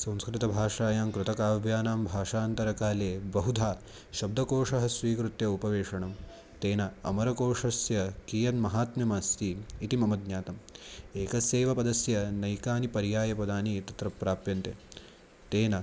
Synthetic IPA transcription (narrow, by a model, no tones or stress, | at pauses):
sɐ̃w̃skɾɪt̪ɐbʱaːʂaːjaːmkɾɪt̪ɐkaːʋʱjaːnaːmbʱaːʂaːnt̪ɐɾɐkaːleːbɐɦud̪ʱaː | ʃɐb̚d̪ʱɐkoːʂɐɦɐsʋiːkɾut̪jɐupɐʋeːʂɐɳɐm | t̪eːnɐɐmɐɾɐkoːʂɐsjɐkiːjɐnmɐɦaːt̪mjɐmaːst̪iit̪imɐmɐd̪ɲaːt̪ɐmeːkɐseːʋɐpɐd̪ɐsjɐnɐjkaːnipɐɾjaːjɐpɐd̪aːnit̪ɐt̪ɾɐpɾaːpjɐnt̪e | t̪eːnɐ